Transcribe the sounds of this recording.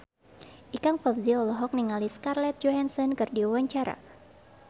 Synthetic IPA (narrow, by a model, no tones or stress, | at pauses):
ʔikaŋfɔbziɔlɔɦɔk̚niŋaliskarlɛt̪̚d͡ʒoɦansɔnkɨrdiuwaɲt͡ʃaɾa̰